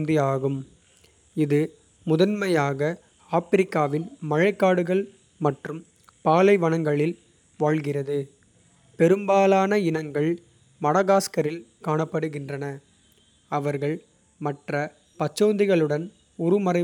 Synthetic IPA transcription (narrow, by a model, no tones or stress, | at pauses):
nd̪iaːɣɯm | ɪðɯ | mʊðɐnmɐjaːɣɐ | aːfɪɾɪkːaːʋɪnmɐɻɐɪkːaːɽɯɣɐɭ | mɐʈrɯm | paːlɐɪʋɐɳɐŋɡɐɭɪl | ʋaːɭɣɪrɐðɯ | pɛɾɯmbaːlaːnɐɪnɐŋɡɐɭ | mɐɽɐɣaːskɐɾɪlkaːɳɐpːɐɽɯɣɪndrɐnɐ | ɐʋɐɾɣɐɭ | mɐʈrɐ | pɐt͡ʃːoːnd̪ɪɣɐɭɯɽɐn | ʊɾʊmɐɾɐɪ